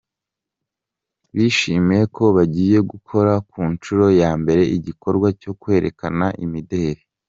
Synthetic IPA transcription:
βiʃimijekʰo̞βaɟiːje̞ɡukʰo̞ɾakuːnt͡ʃuɾo̞jaːmbe̞ɾe̞iɟiko̞ɾɡwaco̞kwe̞ːɾe̞kanaʔḭmide̞ɾe

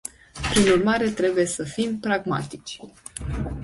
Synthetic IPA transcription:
pɾinurmaɾe̞t̪ɾe̞buje̞səfimpɾaɡma̰t̪i̥t͡ʃʲ

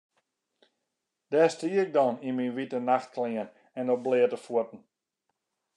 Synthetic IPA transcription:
d̥ɛːstiəɪk̚dɔninminʋitənaxt̚klɪən | ɛndɔblɪətəfuətn̩

